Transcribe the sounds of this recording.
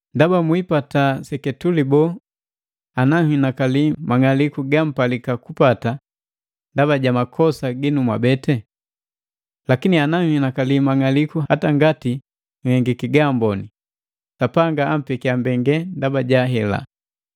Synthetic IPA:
ndabamwipatasɛkɛtulibɔ | anaŋinakalimaŋalikuɡam̩palikakupata | ndaβaɟamakʰɔsaɡinumwabɛtɛ | lakinianaŋinakalimaŋalikuhataŋɡati | ŋ̩hɛŋɡikiɡambɔni | sapaŋɡaam̩pɛkiambɛŋɡɛndabaɟaɦɛla̰

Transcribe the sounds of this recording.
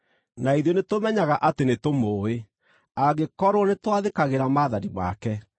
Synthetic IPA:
naiðjɔnetomɛɲaɣaʔatenetomoːe | aɣekɔɾoɔnetwaðekaɣeɾamaːðaɾima̰kɛ

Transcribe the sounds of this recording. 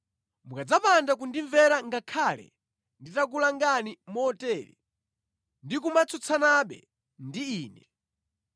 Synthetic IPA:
mukad͡zapandak̬undiɱvɛɾaŋɡakʰalɛ̰ | nditak̬ulaŋɡanimɔtɛːɾḭ | ndik̬umat͡sʰɔt͡sʰanaɓɛ̰ | ndiiːnɛ

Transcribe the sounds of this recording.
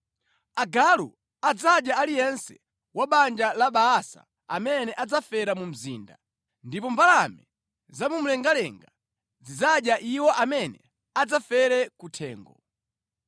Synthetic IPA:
aɡalṵ | ad͡zaɗjaalijɛnsɛ | waɓand͡ʒalaɓaːsa̰ | a̰mɛnɛʔad͡zafɛɾamum̩zḭːnda | ndipɔmbalamɛ | zamum̩lɛŋɡalɛŋɡa | zid͡zaɗjaʔiwɔʔamɛnɛ̰ | ad͡zafɛɾɛkutʰɛ̰ːŋɡɔ

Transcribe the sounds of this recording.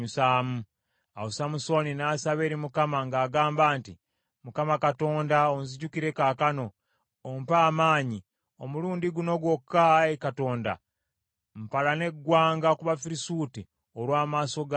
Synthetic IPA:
usaːmu | a̰wosamuso̞ninaːsaβe̞ːɾimukamaŋɡaːɡaːmbaːnti | mukamakato̞ːndaonziɟukiɾe̞kakano̞ː | mpaːmaːɲi | omuluːndiɡuno̞ɡwo̞kːaekato̞ːnda̰ | m̩palane̞ɡːwaːŋɡakuβafiɾisuːti | oɾwaːmaːso̞ɡ

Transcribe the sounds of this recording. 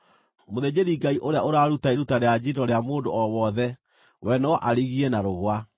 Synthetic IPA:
moðed͡ʑeɾiɡaiʔoɾeaoɾaːɾutaeɾutaɾead͡ʑidɔɾeamoːndoɔwɔðɛ | wɛnɔɔʔaɾiɣiɛnaɾoɣwa

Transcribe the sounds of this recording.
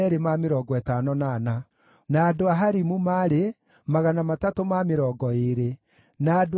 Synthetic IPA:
ɛɾemameɾɔːɡɔɛtanɔnaːna | naːdoaɦaɾimumaɾe | maɣanamatatomameɾɔːɡɔeɾe | naːd

